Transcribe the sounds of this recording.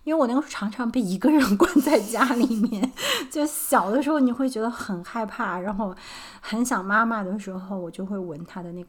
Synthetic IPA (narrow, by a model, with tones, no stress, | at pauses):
ji˥nwe˥˩ɪwɔ˨˩˧ʂ̩˥˩ʈ͡ʂʰɑ˧˥ŋʈ͡ʂʰɑ˧˥ŋpe˥˩ɪi˧˥ɡə˧ɻə˧˥nkwa˥nt͡sa˥˩ɪt͡ɕja˥li˨˩mjɛ˥˩nt͡ɕo˥˧˥ɕjɑ˨˩ʊd̪ə˦ʂɻ̩˧˥xo˥˧ʊni˨˩xwe˥˩ɪt͡ɕɥɛ˧˥d̪ə˧xə˨˩nxa˥˧ɪpʰa˥˩ɻa˧˥nxo˥˩ʊ | xə˧˥nɕjɑ˨˩ŋma˥ma˨˩d̪ə˩ʂɻ̩˧˥xo˥˧ʊwɔ˨˩t͡ɕjo˥˧ʊxwe˥˩ɪwə˧˥nt̪ʰa˥d̪ə˨na˥˩ɡ